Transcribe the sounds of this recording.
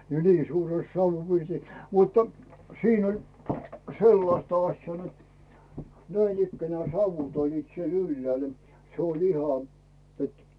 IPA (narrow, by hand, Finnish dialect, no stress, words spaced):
jɑ niː suːres sɑuʋːupirtis mutːɑ̥ siːn olʲ selːɑsʲtɑ ɑsʲjɑː net næinikːænĕæˑ sɑuʋut olʲliːt siel ylːĕæˑl se olʲ ihɑ et